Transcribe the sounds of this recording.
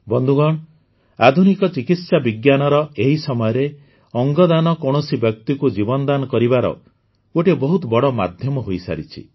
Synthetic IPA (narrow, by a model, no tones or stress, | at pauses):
bɔnd̪ʱuɡɔɽ̃ | ad̪ʱunikɔt͡ʃikit̪sabiɡjanɔɾɔeɦisɔmɔjɔɾe | ɔŋɡɔd̪anɔkɔɽ̃ɔsibjɔk̚t̪ikud͡ʒibɔnɔd̪anɔkɔɾibaɾɔ̰ | oʈebɔɦut̪ɔbɔɽɔma̰d̪ʱjɔmɔɦojsa̰ɾḭt͡ʃʰḭ